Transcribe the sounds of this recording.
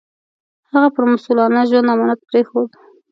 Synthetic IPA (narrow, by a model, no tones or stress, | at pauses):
haɣapəɾmʊsulɑnaʒwand̪amɑnat̪̚pɾexod̪